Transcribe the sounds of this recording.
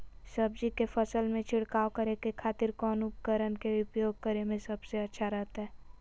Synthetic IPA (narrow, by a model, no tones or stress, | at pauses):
səbd͡ʒikefʰəsəlmẽt͡ʃʰɪɽkaːwkəɾekekʰaːt̪ɪɾkɔːnʊpkəɾənkeʊpjoːɡ̚kəɾemẽsɐbseɐtːʃʰaɾɛɦt̪aɦɛː